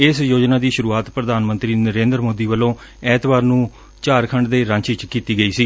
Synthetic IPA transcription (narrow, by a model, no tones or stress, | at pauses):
ɪsjoːd͡ʒnaːd̪iːʃʊɾuːaːt̪pɾəd̪aːnmə̃nt̪ɾiːnəɾẽːnd̪ɾmoːd̪iːʋəlːõː | ɛːt̪baːɾnũː | t͡ʃaːɾkʰəɳɖd̪eːɾãːɲt͡ʃit͡ʃkiːt̪iːɡəiːsiː